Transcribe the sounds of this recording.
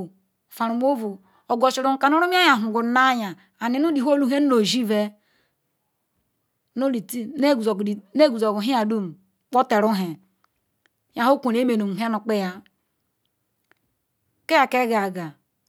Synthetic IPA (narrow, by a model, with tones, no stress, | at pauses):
fa˨ɾu˨m˦o˦vu˨ | o˨ɡo˨t͡ʃi˨ɾu˨m̩˦ka˨nu˦ɾu˦mi˦a˦ja˨ɦu˨ɡu˨˦na˦ja˨ | a˨ni˨nu˦di˨ɦo˦lu˦ɦe˦n̩˦lo˨ʒi˦ve˦ | no˦i˨tne˦ɡu˨i˨ne˦ɡu˨zo˨ɡu˨ɦi˦a˨du˦m˨˦ | k͡po˦te˨ɾu˦ɦe˨˦ | ja˨ɦo˦kʷo˨ne˦me˨nu˨m˨˦a˦nu˨k͡pe˦ja˨ | ke˦ja˨ke˦ɡa˨ɡa˨